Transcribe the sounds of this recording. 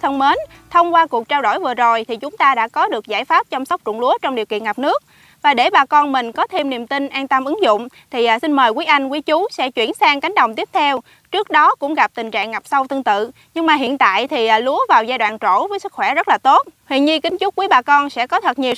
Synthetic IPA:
t̪ʰə˧wŋ͡mme˨˦n | t̪ʰə˧wŋ͡mkwaː˧ku˨˩ək̚t͡ɕaː˧wɗo̰˧˩jvɨ˨˩əzo˨˩jt̪ʰi˨˩t͡ɕʊ˨˦ŋ͡mt̪aː˧ɗa̰ː˧˥kɔ˨˦ɗɨ˨˩ək̚za̰ː˧˥˩jfaː˦˥p̚t͡ɕɔ˧ŋ͡msɔ˦˥wk͡p̚t͡ɕʊ̰˧˨ŋlu˨˦ət͡ɕɔ˧ŋ͡mɗi˨˩əwkḭ˧˨ənŋa˨˩p̚nɨ˦˥ək̚ | vaː˨˩ɗe˧˩ɓaː˨˩kɔ˧nmï˨˩ŋ̟kɔ˨˦t̪ʰe˧mni˨˩˨mt̪i˧nʔaː˧nt̪ə˧mʔɨ˨˦ŋzʊ̰˧˨wŋ͡mt̪ʰi˨˩ʔsi˧nməː˨˩jkwi˨˦jʔa˧jŋ̟kwi˨˦t͡ɕu˨˦sɛ̰˧˥t͡ɕwi˧˩ənsaː˧ŋka˨˦ŋ̟ɗə˨˩wŋ͡mt̪i˦˥əp̚t̪ʰɛ˧w | t͡ɕɨ˦˥ək̚ɗɔ˨˦kʊ̰˧˥ŋ͡mɣa˨˩p̚t̪ï˨˩ŋ̟t͡ɕa̰ː˧˨ŋːa˨˩p̚sa˧wt̪ɨ˧əŋt̪ɨ̰˧˨ | ɲɨ˧ŋmaː˨˩ɦḭ˧˨ənt̪a̰ː˧˨jt̪ʰi˨˩ʔlu˨˦əvaː˨˩wzaː˧jɗwa̰ː˧˨nt͡ɕo̰˧˩vəː˨˦jsɨ˦˥k̚xwɛ˧˩zə˦˥t̚laː˨˩t̪o˦˥t̚hwḭ˧˨ənɲɨ˧kï˨˦ŋ̟t͡ɕʊ˦˥k͡p̚kwi˨˦əɓaː˨˩kɔ˧nsɛ̰˧˥kɔ˨˦t̪ʰə˨˩t̚ɲi˨˩ə

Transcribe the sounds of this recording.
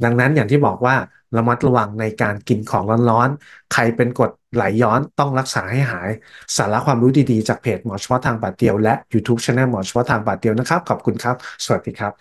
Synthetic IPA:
da˧ŋna˦˥nja˨˩ŋt̪ʰiː˥˩bɔː˨˩k̚waː˥˩ | la˧ma˦˥t̪̚ɾa˧wa˧ŋna˧jkaː˧nki˧nkʰɔː˩˦ŋlɔː˦˥nɾɔː˦˥nkʰa˧jpe˧nko˨˩t̪̚la˨˩˦jːɔː˦˥nt̪ɔ˥˩ŋɾa˦˥k̚saː˩˦ha˥˩jɦaː˩˦jsaː˩˦la˦˥kʰwaː˧mɾuː˦˥diː˧diː˧t͡ɕaː˨˩k̚pʰeː˨˩t̪̚mɔː˩˦t͡ɕʰɔː˦˥t̪ʰːaː˧ŋpaː˨˩t̪̚di˧əwlɛ˦˥ʔjuː˧t̪ʰuː˦˥p̚t͡ɕʰɛː˧nɛː˧˥˩nmɔː˨˩˦t͡ɕʰɔ˦˥t̪ʰaː˧ŋpaː˨˩t̪̚di˧əwna˦˥kʰa˦˥p̚kʰa˨˩p̚kʰu˧nkʰa˦˥p̚su˨˩ət̪̚diː˧˦kʰɾa˦˥p̚

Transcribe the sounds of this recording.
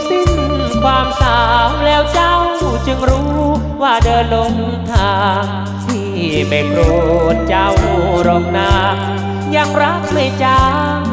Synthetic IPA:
si˧˩ŋ | kʰwaː˧msaː˨˧˩mlɛː˦˥wt͡ɕa˧˥˩wt͡ɕɯ˧ŋɾuː˦˥ | waː˧˩dɤː˧nlo˧ŋ | t̪ʰaː˧˩ | t̪ʰiː˧˩ | bɛː˨˩ŋɾoː˧˩t̪̚t͡ɕa˧˥˩wɾɔː˧˩ŋ̚naː˧ | ja˧˩ŋɾa˦˥k̚na˧˩jt͡ɕaː˧

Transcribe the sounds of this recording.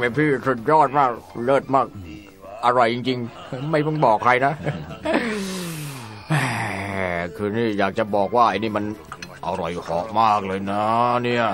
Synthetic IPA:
me˧˩pʰiː˥˩su˨˩t̪̚jɔː˥˩t̪̚maː˥˩k̚lɤː˥˩t̪̚maː˥˩k̚ | ʔa˧ɾa˧jːi˧ŋt͡ɕi˧ŋ | ma˥˩jmɔ˥˩ŋbɔː˨˩kʰːɾa˧jna˦˥ | ʔɛː˧˩kʰɯː˧niː˥˩jaː˨˩k̚t͡ɕa˨˩bɔː˨˩k̚waː˥˩ʔa˧niː˦˥˩ma˧nʔa̰˧wɾɔ˨˧˩jhɔ̰ː˩˦ʔ̚maː˥˩k̚lɤː˧jna˦˥ni˥˩ɐ

